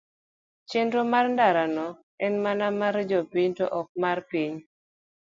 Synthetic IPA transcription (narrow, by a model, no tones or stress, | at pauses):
t͡ʃɪndɾomarndaɾanɔ | ɛnmanamaɾd͡ʒɔpiɲto̰ʔɔk̚marpiɲ